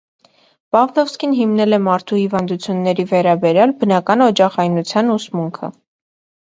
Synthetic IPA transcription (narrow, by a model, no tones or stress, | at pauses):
pɑvlɔfskinɦimnɛlɛmɑɾt̪ʰuhivɑnd̪ut͡sʰjunːɛɾivɛɾɑbɛɾjɑlbənɑkɑnɔd͡ʒɑχɑjnut͡sʰjɑnusmuŋkʰə̰